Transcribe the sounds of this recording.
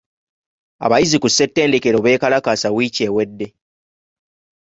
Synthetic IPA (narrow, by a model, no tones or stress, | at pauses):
a̰βajizikusːe̞tːe̞ːnde̞ke̞ɾo̞βwe̞ːkalakaːsawice̞ːwe̞dːe̞